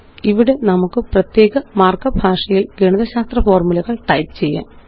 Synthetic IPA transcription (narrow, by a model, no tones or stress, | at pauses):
iʋiɽe̞nɐmukːɨprɐt̪je̞ːɣɐmaːrkɐbʱaːʂɐjilɡeɳɐðɐɕaːst̪rɐfo̞ːrmulɐɣɐɭʈɐjpɨt͡ɕe̞jːa̰ːn